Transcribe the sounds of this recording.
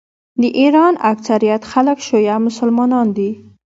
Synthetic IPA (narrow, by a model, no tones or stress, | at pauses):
d̪əʔiɾɑnaksaɾijat̪xaləkʃojamʊsəlmɑnɑnd̪i